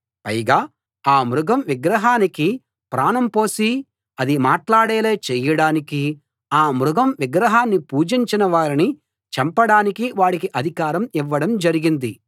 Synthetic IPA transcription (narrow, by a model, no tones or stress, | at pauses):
pɐjɡaː | aːmɾuɡɐmʋiɡɾɐɦaːniki | pɾaːnɐmpoːsi | ɐd̪imaːʈlaːɽɛːle̞ːt͡ʃɛjːɐɽaːniki | aːmɾuɡɐmʋiɡɾɐɦaːnːipuːd͡ʒiɲt͡ʃinɐʋaːɾini | t͡ʃɐmpɐɽaːnikiʋaːɽikiʔɐd̪ʱikaːɾɐmiʋːɐɽɐmd͡ʒɐɾiɡind̪i